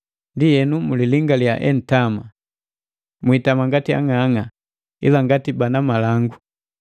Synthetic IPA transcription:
ndijɛnumuliliŋɡaljaʔɛ̰n̩tama | mwitamaŋɡatia̰ŋaŋa | ḭlaŋɡatibanamalaŋɡu

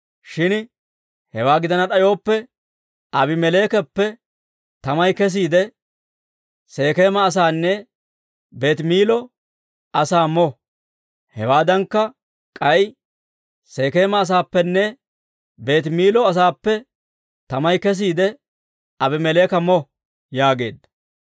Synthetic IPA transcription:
ʃɪn | hɛwaːɡɪd̪ɐnɐt̪ʼɐjo̞ːpːɛ | ɐbɪmɛle̞ːkɛpːɛ | t̪ɐmɐjkɛs̬iːd̪ɛ | se̞ːkeːmɐːs̬aːnːɛ | be̞ːt̪miːlɔ | ɐsaːmɔ | hɛwaːd̪ɐŋkːɐ | kʼɐj | se̞ːke̞ːmɐːs̬aːpːɛnːɛ | be̞ːt̪miːlɔɐs̬aːpːɛ | t̪ɐmɐjkɛs̬iːd̪ɛ | ɐbɪmɛleːkɐmɔ | jaːɡe̞̰ːd̪ːɐ̥

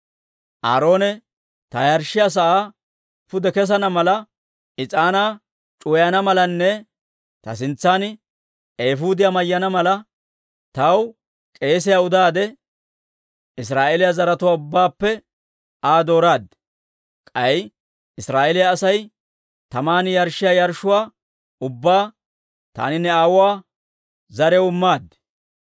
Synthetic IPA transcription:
ʔa̰ːɾo̞ːnɛ | t̪ɐjɐɾʃɪjɐs̬ɐʔaː | pʊd̪ɛkɛs̬ɐnɐmɐlɐ | ɪt͡sʼaːnaː | t͡ʃʼʊjɐnɐmɐlɐnːɛ | t̪ɐ̰s̬ɪnt͡sːaːn | eːfuːd̪ɪjamɐjːɐnɐmɐlɐ | t̪ɐw | kʼe̞ːs̬ɪjaʊd̪aːd̪ɛ | ɪs̬ɾaːʔelɪjɐzɐɾɐt̪ʊwaːʊbːaːpːɛ | aːd̪o̞ːɾaːd̪ | kʼɐj | ɪsɾaːʔelɪjaːsɐj | t̪ɐmaːnɪjɐɾʃɪjajɐɾʃʊwaː | ʊbːaː | t̪a̰ːnɪnːɛaːwʊwaː | zɐɾɛwʊmːaːd̪

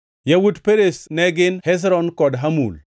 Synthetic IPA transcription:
jawudpeɾesnɛɡɪnhɛs̬ɾɔnkɔdɦamṵl

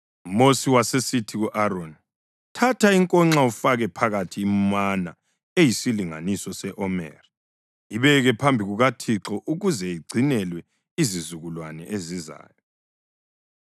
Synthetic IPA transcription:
mosiwasesitʰiɣuʔaɾon | tʰatʰaiŋkʼɔŋ͡ǁaufaɣɛpʰaɣatʰiːmana | ejisiliŋa̰nisɔsɛʔɔmɛ̰ːra | iβɛɣɛpʰambʱiɣuɣatʰiǁɔʔuɣuzɛiɡ͡ǀʱinɛlwɛ | izizuɣulwanɛ̰ʔeziza̰ːjɔ

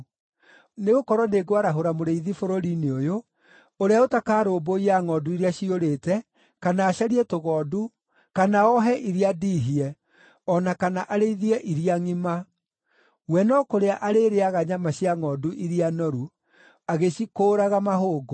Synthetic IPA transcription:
neɣokɔɾɔneɡoaɾaɦoɾamoɾeiðifoɾoɾineojo | oɾeaotakaːɾoːboiaŋɔːduiɾeaɕioɾetɛ | kanaːɕaɾiɛtoɣɔːdu | kanaɔɦɛʔiɾiadiːɦiɛ | ɔnakanaʔaɾeiðiɛʔiɾiaŋima | wɛnɔkoɾeaʔaɾeɾeaɣaɲamaɕiaŋɔːduʔiɾianɔɾu | aɣeɕikoːɾaɣamaɦoːɡo

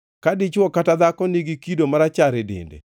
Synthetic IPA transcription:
kadɪt͡ʃwɔkatad̪akɔniɡikidomaɾat͡ʃaɾɪdɪ̰ndḛ

